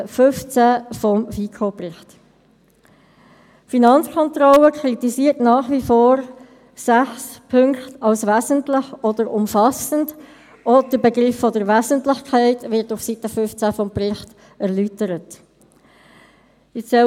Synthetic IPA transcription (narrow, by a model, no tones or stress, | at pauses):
fʏft͡sæfɔmfikʰoprɪχt | finɑnt͡skʰɔnt̪rɔləkʰɾit̪isiːəɾtnɑːχʋifoːɾ | sæχspʰʏŋktɑlsʋæːzəntlɪχɔd̥əɾʊmfɑsənd | ʔɔd̥əbeɡɾɪfːɔdəɾʋæzəntlɪχkʰæɪtʋɪɾtʊfsitəfʏft͡sæfɔmprɪχt | ɛʁlytəɾət | ɪsɛ